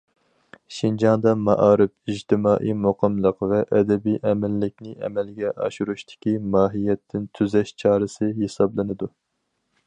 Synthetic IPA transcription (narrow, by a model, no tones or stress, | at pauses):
ʃind͡ʒɑŋd̪ɑmɑʔɑːɾɨpid͡ʒt̪ʰɪmɑːʔijmoqʰəmlˠəqvɛʔɛd̪ɛbijʔɛmɛlːɪkʲnɪʔɛ̰mɛlɡʲɛʔɑʃuɾuʃt̪ʰɪ̥kʲimɑːɦijɛt̪ʰːɪnt̪ʰyzɛʃt͡ʃʰɑːɾɨsɨɦesɑblˠɨnɨd̪u